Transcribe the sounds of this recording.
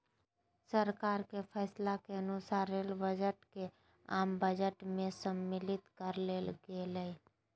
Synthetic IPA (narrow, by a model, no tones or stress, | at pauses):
səɾkaːɾkepʰɛːslakeənʊsaːɾəlbəd͡ʒəʈke | aːmbəd͡ʒəʈmẽsəmːɪlɪt̪kəɾleːlɡeləi